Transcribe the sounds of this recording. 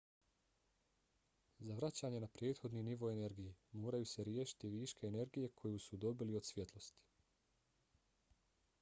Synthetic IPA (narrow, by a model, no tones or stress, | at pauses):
zaʋɾat͡ɕaːɲe̞napɾje̞ːt̪xo̞d̪niniʋo̞ene̞ɾɡijemoːɾajuse̞ɾjeːʃi̥t̪iʋiːʃkeːne̞ɾɡije̞kʰo̞jusud̪o̞biliod̪sʋje̞t̪lˠo̞st̪i̥